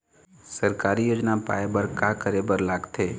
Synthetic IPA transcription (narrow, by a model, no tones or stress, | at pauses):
səɾkaːɾijoːd͡ʒnapa̰ːebəɾkakəɾeːbəɾlaːɡt̪ʰeː